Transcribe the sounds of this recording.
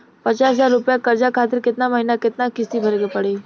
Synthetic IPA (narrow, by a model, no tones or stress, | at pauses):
pət͡ʃaːszaːɾɾʊpjakəɾd͡ʒakʰaːt̪̬ɪɾkɪt̪naməɦinakɪt̪nakɪst̪ibʱəɾɡepəɽe